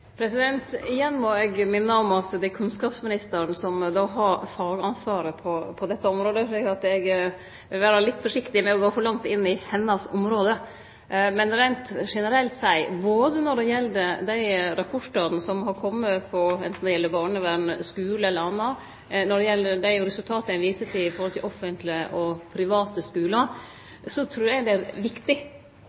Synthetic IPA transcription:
pʰɾɛsɪd̪ɛnt̪ɪjɛnːmɔɛɡmɪnːəɔmɑt̪d̪ækʰʉnskɑːpsmɪnɪst̪əɾənsɔmd̪ɑːɦɑɾfɑːɡɑnsʋɑːɾəpʰɔpʰɔd̪ɛt̪ːəɔmɾoːd̪əfɭikɑt̪ɛɡ | ɪʋæːɾɑlɪt̪ːfɔʂɪkt̪ɪmɛɛɡoːfɔɾɭɑŋt̪ɪnːɪhɛnːɑsɔmɾoːd̪ə | mɛnɾæɪnt̪ʂɛnəɾɛlt̪sæɪboːd̪ənɔɖɛjɛld̪əd̪æɪɾɑpʰɔʂɑɾd̪nəsɔmhɑɾkʰɔmːəpʰɔɛ̰nt̪n̩d̪ɛjɛlːəbɑːɳəʋænəskʉːləɛlːəɾɑnːɑ | nɔɖɛjɛlːəd̪æɪɾɛsʉlt̪ʰɑːt̪əɛʋiːsət̪ʰɪɪfɔɾhɔlɪlɔfːənt̪lɪʔɔpʰɾɪʋɑːt̪əskʉːlə | sɔt̪ʰɾuːæɡd̪ɛæɾʋɪkt̪ɪ

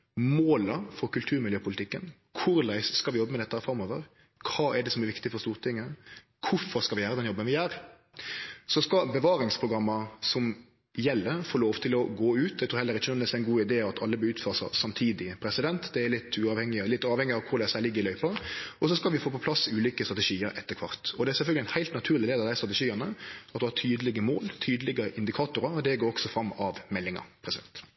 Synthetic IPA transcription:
moːləfɔɾkʉlt̪ʰʉːɾmɪljøːpʰʊlɪt̪ɪkːən | kʰʊɾlæɪsskɑlʋɪjɔbːəmɛd̪ɛt̪ːəhæɾfɾɑmːoːʋə̰ʁ | kʰɑːɛɖɛsɔmæɾʋɪkt̪ɪfɔst̪uːʁt̪ʰɪŋːə | kʰʊɾfɔɾskɑlʋɪjæːɾəd̪ɛnjɔbːənʋɪæːɾ | sɔskɑbəʋɑːɾɪŋspʰʁʊɡɾɑmːəsɔm | jɛlːəɾfoːloːʋt̪ʰɪlɔɡoːʉːt̪̚d̪ɛt̪ʰuːhɛlːəɾɪçːənnɛsɛɪnɡuːɪd̪eːɑt̪ʰɑlːəbøʉːt̪føːʁəsɑ̰sɑmt̪ʰiːd̪ɪpʰɾɛsɪd̪ɛnt̪d̪ɛæɭɪt̪ʰːʉɑːʋhɛŋːɪəlɪt̪ːɑːʋhɛŋɪɑʋkʰʊɾd̪ɛsæːlɪɡːɾɪlœʏpɑɔs̬ɔskɑlʋɪfoːpɔpʰlɑsʉːliːkəst̪ʁɑt̪əʂiːəɾɛ̰t̪ːəkʰʋɑ̰ʁt̪ɔd̪ɛæsɛlfœlɡlɪɛnhæɪlt̪nɑt̪ʰʉːɾlɪd̪eːd̪ɑʋd̪æɪst̪ʁɑt̪əʂiːɑnəɑt̪d̪ɛhɑt̪ʰyːd̪əlɪɡəmo̰ːlt̪ʰyːd̪əlɪɡəʔɪnd̪ɪkʰɑːt̪ʊɾəɔd̪ɛɡoːɾɔksɔfɾɑmːɑʋmɛlːɪŋɑ̰ɾpʰɾɛsɪd̪ɛ̰nt̪

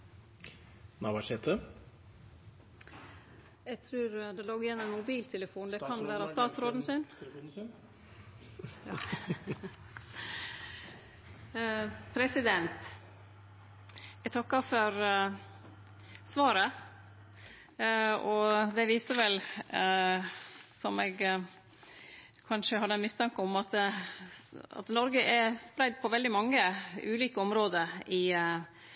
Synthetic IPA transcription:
nɑːbɑʂɛːt̪ʰə | ɛɡt̪ʰɾʉːɾd̪ɛloːɡɪjɛnːɔmɛnmʊbiːlt̪ʰɛləfuːnd̪ɛkʰɑnʋæːɾəst̪ɑːt̪sɾoːd̪n̩sɪn | pʰɾɛsɪd̪ɛnt̪ | ɛɡt̪ʰɑkːəɾfɔɾ | sʋɑːɾə | ɔd̪ɛʋiːsəɾʋɛl | sɔmɛɡ | kʰɑnʂəhɑd̪əmɪst̪ʰɑŋkəɔmɑt̪ | ɑ̰t̪nɔɾɡəʔɛspɾæɪd̪̚pʰɔʋɛld̪ɪmɑŋːəʉːliːkəɔmɾoːd̪əɾɪ

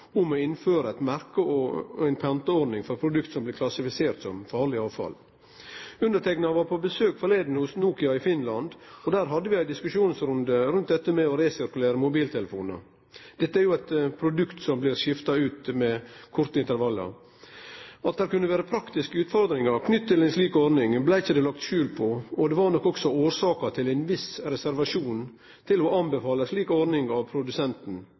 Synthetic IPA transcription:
ʊmɔɪnføːɾəæɪt̪mæɾkəɔæɪnpʰɑnt̪əɔɾdnɪŋfɔɾpʰɾʊd̪ʉkt̪sɔmblɪɾkʰlɑsɪfɪseːɾt̪sɔmfɑːɾɭɪɑːʋfɑ̰l | ʉnd̪əʈ̪ʰɛknɑʋɑɾpʰɔbəsøːkfɔɾleɪd̪n̩hʊsnuːkɪɑɪfɪnlɑnd̪ɔd̪æːɾɦɑd̪ːəʋɪæɪd̪ɪskʉʂuːnsɾʊnd̪əɾʉnt̪̚d̪ɛt̪ːəmɛɔɾeːsɪɾkʉleːɾəmʊbiːlt̪ʰɛləfuːnə̰ | d̪̥ɛt̪ːəæɾjʊæɪt̪pʰɾʊd̪ʉkt̪sɔmblɪɾʃɪft̪ɑʉːt̪mɛkʰʊɾt̪əɪnt̪əɾʋɑlːə̰ | ɑt̪̚d̪æːɾkʉnːəʋæːɾəpʰɾɑkt̪ɪskəʉːt̪fɔɾd̪ɾɪŋɑɾkʰnʏt̪ːt̪ːɪlæɪnsliːkɔɾnɪŋblæɪɪçːəd̪ɛːlɑkt̪ʃʉːlpʰɔɔd̪ɛʋɑɾnɔkːɔksɔoːɾsɑːkɑt̪ʰɪlæɪnʋɪsɾɛsæɾʋɑʂuːn | t̪ʰɪlɔɑnbɛfɑːləʂliːkɔɾnɪŋɑʋpʰɾʊd̪ʉsɛnt̪n̩

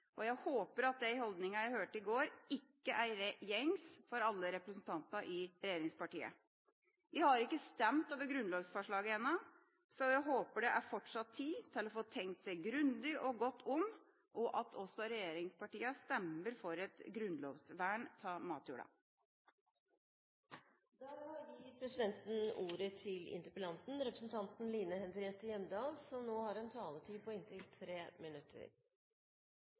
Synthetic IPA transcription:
ʔɔjæɪhoːpəɾɑt̪̚d̪ɛɪhɔld̪nɪŋɑjæɪhøːʈɪɡoːɾɪkːəʔæɾɛjɛŋsfɔɾɑlːəɾɛpɾəsn̩t̪ʰɑnt̪ɑʔɪɾɛjeːɾɪŋspɑʈḭːə̰ | ʋɪhɑɾɪkːəst̪ɛmt̪ɑːʋəɡɾʉnloːʋsfɔʂɭɑːɡəɛnːɑ | sɔjæɪɦoːpəɖɛʔæɾfɔʈʂɑt̪ʰːiːt̪ʰɪlɔfoːt̪ʰɛŋk̚t̪sæɪɡɾʉnd̪ɪʔɔɡɔt̪ʰːʊmː | ʔɔʔɑt̪ʰɔsːɔɾɛjeːɾɪŋspʰɑʈiːɑst̪ɛməɾfɔɾɛt̪ɡɾʉnloːʋsʋæːɳt̪ʰɑːmɑːt̪juːɖɑ̰ | d̪æːɾjiːɾpʰɾɛsɪd̪ɛnt̪n̩uːɾət̪ʰɪlɪ̰nt̪əɾpəlɑnt̪n̩ɾɛpɾəsn̩t̪ʰɑnt̪n̩liːnəhɛnd̪ɾɪɛnt̪əjɛmd̪ɑːlsɔmnoːhɑɾɛnt̪ʰɑːlət̪ʰiːpʰɔɪnt̪ʰɪlt̪ʰɾeːmɪnʉt̪ʰːə̰ɾ

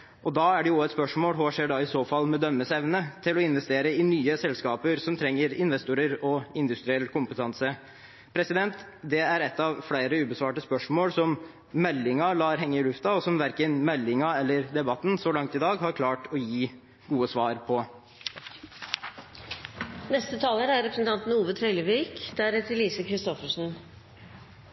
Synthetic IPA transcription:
ʔɔd̪ɑːæɖɛjʊʊɛt̪spœʂmoːlɦoːʂeːɖɑːɪsoːfɑlːmɛd̪œmːəsɛʋnət̪ʰɪlɔɪnʋɛst̪eːɾəɪnyːəsɛlskɑːpəɾsɔmt̪ʰɾɛŋːəɾɪnʋɛst̪uːɾəɾɔɪnd̪ʉst̪ɾɪɛlːkʊmpət̪ʰɑnsə | pʰɾɛsɪd̪ɛnt̪ | d̪ɛæɾɛt̪ːɑʋflæɪɾəʉːbəsʋɑːʈəspœʂmoːlsɔm | mɛlːɪŋɑlɑːɾɦɛŋːəɪlʉft̪ɑɔsɔmʋæɾkənmɛlːɪŋɑɛlːəɾd̪ɛbɑt̪ːn̩sɔlɑŋt̪ɪd̪ɑːɡhɑɾkʰlɑːʈɔjiː | ɡuːəsʋɑːɾpʰɔ | nɛst̪ət̪ʰɑːləɾæɾɾɛpɾəsnt̪ʰɑnt̪n̩uːʋət̪ʰɾœɪləʋiːkd̪æɾɛt̪əɾliːsəkʰɾɪst̪ɔfəʂn̩

